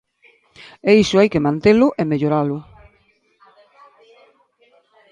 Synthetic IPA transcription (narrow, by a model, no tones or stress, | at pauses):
eisʊajkemãnt̪elʊʔemeʎoɾalʊ